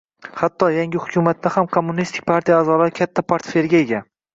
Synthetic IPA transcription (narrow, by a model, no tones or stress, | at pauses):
hat̪ʰːɒjaŋɡʲɪhʊkʲʰʊmat̪ːahamkʰomːʊnist̪ʰɪ̥k̚ʲpʰaɾt̪ʰijaːzɒlaɾɪkʲʰat̪ʰːapʰaɾt̪feɾɡʲae̞ɡʲan